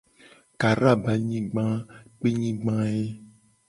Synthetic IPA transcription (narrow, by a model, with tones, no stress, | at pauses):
ka˨ɾa˦˨ba˨ɲĩ˦ɡ͡bã˦k͡pe˦ɲĩ˦ɡ͡bã˦e˦